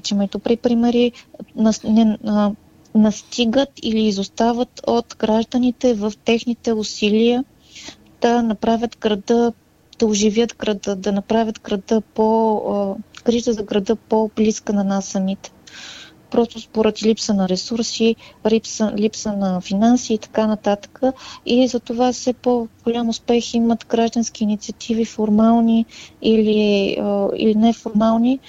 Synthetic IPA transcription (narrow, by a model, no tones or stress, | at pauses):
t͡ʃɛmɛt̪ʊpɾipɾimɛɾinnɛ | nɐst̪ʰiɡət̪iliːzʊst̪avət̪ʰot̪ɡɾaʒd̪ənit̪ɛvəft̪ɛxnit̪ɛʊsilʲiə | d̪̥ɐnɐpɾavʲət̪ɡɾɐd̪ə | d̪̥ɐʊʒivjət̪ɡɾɐd̪əd̪ɐnɐpɾavʲət̪ɡɾɐd̪əpo | kɾiʒt̪əzɐɡɾɐd̪ɤpobliskənɐnasːɐmit̪ɛ̥ | pɾɔst̪ʊspoɾɛd̪lipsənɐɾɛsuɾsiɾipsəlipsənɐfinansiːt̪ɐ̥kanɐt̪at̪ə̥kəizɐt̪ovafsɛpoɡ̥olʲamʊspɛximət̪ɡɾaʒd̪ənskʲiːnit̪sʲiət̪ʰivifoɾmalˠniiliəḭlinɛfoɾmalˠni